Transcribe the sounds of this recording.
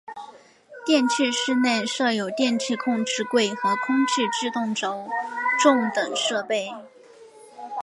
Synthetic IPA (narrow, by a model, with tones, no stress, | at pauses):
t̪jɛ˥˧nt͡ɕʰi˥˧ʂɻ̩˥˧ne˥˧ɪʂɤ˥˩jo˨˩ʊt̪jɛ˥˧nt͡ɕʰi˥˧kʰʊ˥˧ŋʈ͡ʂɻ̩˥˧kwe˥˩ɪxɤ˧˥kʰʊ˥ŋt͡ɕʰi˥˧ʈ͡ʂɻ̩˥˧t̪ʊ˥˩ŋʈ͡ʂo˧˥ʊʈ͡ʂʊ˥˩ŋt̪ɤ˨˩ŋʂɤ˥˧pe˥˩ɪ